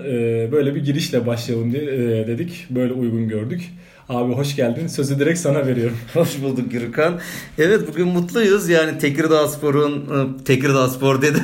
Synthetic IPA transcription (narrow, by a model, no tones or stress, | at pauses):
ɯːbø̞jlʲɛbiɟiɾiʃlʲɛbaʃlˠalˠɯnd̪id̪e̞d̪icbø̞jlʲɛujɡunɟøɾd̪yc | aːbiɦo̞ʃɟælʲd̪insøze̞d̪eɾɛcsanave̞ɾijo̞ɾumho̞ʃbulˠd̪uk̚jyɾykʰanɛvɛt̪̚buɟʲynmut̪lˠujɯzjaːnit̪ʰecɾid̪aspʰo̞ɾunt̪ʰecɾid̪aspo̞ɾd̪e̞d̪i